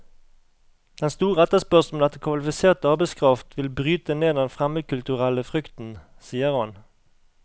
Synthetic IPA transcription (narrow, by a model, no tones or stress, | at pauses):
d̪̥ɛnst̪uːʁɛt̪əspœʁsn̩d̪ɛt̪ːəkʰʋɑlɪfɪseːʁt̪əɑːʁbæɪskʰʁɑft̪ʋɪlbʁyːt̪əneːd̪ɛnfʁɛməkʰʉlt̪ʉʁɛləfʁʏkt̪n̩ | siːəʁhɑn